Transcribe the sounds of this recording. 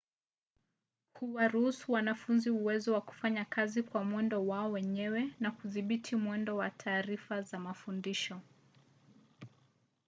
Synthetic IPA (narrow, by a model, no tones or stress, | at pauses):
huwaɾuhusuwanafunziuwɛzɔwaku̥faɲakʰazikwamwɛndɔwaɔwɛɲɛwɛnakuðiɓitʰimwɛndɔwatʰaːɾifazamafundiʃɔ